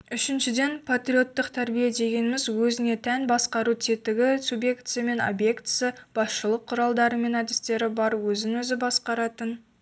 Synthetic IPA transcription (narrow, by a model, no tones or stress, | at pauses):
ʏʃɪnʃɪd̪e̞npʰat̪ɾio̞t̪ːəqt̪ʰæɾbijed̪e̞ɡʲe̞nɪmɪzwɵzɪne̞t̪ʰænbɑsqɑɾut̪ʰet̪ɪɡʲɪsubje̞kt̪sɨjame̞no̰bje̞kt̪sɨjəb̥ɑsʃəlˠəqʰːʊɾɑlˠd̪ɑɾəme̞nɑd̪ɪst̪e̞ɾɪbɑɾwɵzɪnwɵzɪbɑsqɑɾɑt̪ən